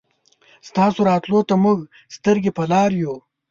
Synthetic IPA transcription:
st̪ɑːsoɾɑːt̪lot̪amʊɡ | st̪əɾɡepɐlɑːɾju

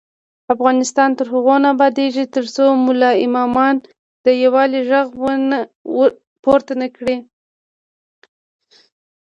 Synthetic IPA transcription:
afɣɑnɪst̪ɑnt̪əɾɦʊɣonabɑd̪eʒit̪əɾsomʊlɑɪmɑmɑn | d̪̥əjawɑliʒaɣwən | poɾt̪anakɽi

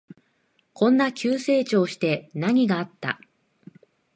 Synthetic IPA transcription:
kʰõ̞nːakʲɨːse̞ːt͡ɕo̞ːɕi̥t̪e̞naɲ̟iɡaːt̪ːa̰

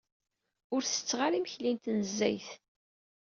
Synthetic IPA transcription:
ʊɾθə̥t͡sːʁaɾimçlint̪nəzːæ̰jθ

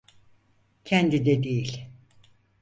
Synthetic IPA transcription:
cʰɛnd̪id̪ɛd̪ejilʲ

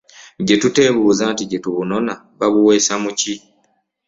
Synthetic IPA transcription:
ɟe̞tute̞βuːzaːntiɟe̞tuβuno̞na | βaβuwe̞ːsamuci

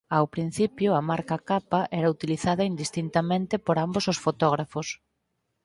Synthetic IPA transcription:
awpɾin̟θipjʊɐmaɾkakapaʔɛɾɐut̪iliθaðɐind̪ist̪int̪amẽnt̪ɪpoɾambososfot̪ɔɣ̞ɾafʊs

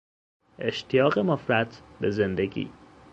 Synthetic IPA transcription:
ʔe̞ʃt̪ʰijɒːɣemofɾæt̪ʰbe̞ze̞nd̪eɡḭː

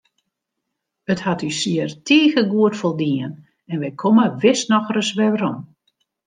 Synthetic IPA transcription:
əthatysiərtʰiːɣəɡuətfolˠdiən | ɛnʋɛjkʰoməʋɪsnɔxrəsʋɛʋəɾɔm

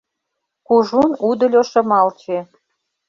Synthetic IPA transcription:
kuʒunud̪ə̆lʲoʃɤ̆mɑlt͡ɕe

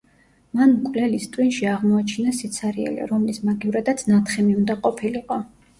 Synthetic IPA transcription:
manmkʼvlɛlist̪ʼwinʃiaʁmɔat͡ʃʰinasit̪sʰaɾiɛ̰lḭɾɔmlismaɡiuɾad̪at̪sʰnat̪ʰχɛmiund̪aqʼɔpʰiliqʼɔ

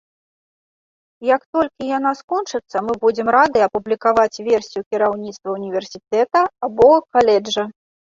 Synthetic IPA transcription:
jɐkt̪ɔlʲkʲijan̪askɔnt͡ʂɨt̪sːɐmɨbud͡zʲɛmɾad̪ɨɐpublʲikavat͡sʲvʲɛrsʲijukʲiɾawnʲit̪st̪vɐunʲivʲɛrsʲit̪ɛt̪ɐabɔkalʲɛd͡ʐɐ

